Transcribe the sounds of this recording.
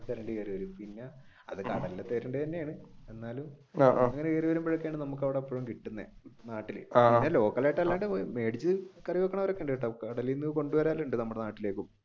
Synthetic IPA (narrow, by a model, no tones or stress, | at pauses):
t̪eɾɐɳɖɨeriʋɐɾumpinːe | ɐ̰ðɨkɐɽɐlilet̪ːeːɾɐɳɖɨt̪ɐnːejaːɳɨe̞nːaːlum | ɐŋːɐnekeːriʋɐɾumbeɻɐkːaːɳɖɨnɐmuk̬ːɐʋiɽeːpːoːɻumkiʈːunːḛnaːʈːilɨ̰inːelo̞ːkːɐlajʈːɐlːaːɳɖɨme̞ːɖit͡ɕːɨkɐriʋokːɐɳɐʋɐɾokːeɳɖɨʈːɐkɐɽɐlijnːɨko̞ɳɖuʋɐɾaːlːuɳɖɨnɐmːuɽenaːʈːile̞ːkːum